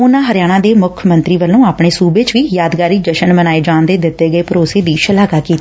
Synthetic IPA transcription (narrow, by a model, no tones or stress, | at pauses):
ʊnãːɦəɾjaːɽ̃ãːd̪eːmʊkʰmənt̪ɾiːʋəlːõːaːpɳeːsuːbeːt͡ʃʋiːjaːd̪ɡaːɾiːd͡ʒəʃənmənaːeːd͡ʒãːnd̪eːd̪ɪt̪ːeːɡəeːpəɾoːseːd̪iːʃəlaːɡaːkiːt̪ː